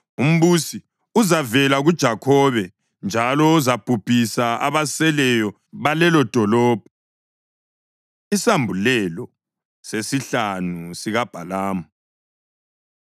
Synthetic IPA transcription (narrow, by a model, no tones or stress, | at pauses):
um̩βusi | uzavɛlaɣud̥ʒ̥ʱakʰɔβɛ | nd͡ʒʱalɔuzab̥ʱupʰʼisaa̰βasɛlɛjɔ | βalɛlɔd̥ʱɔlɔːb̥ʱɔ | isambʱulɛlɔ | sesiɬanusiɣab̥ʱalaːmu